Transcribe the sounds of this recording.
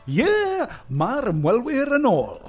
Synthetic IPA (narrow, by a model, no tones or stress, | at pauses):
jɛːmaɾəmwɛlˠwɪɾənoːlˠ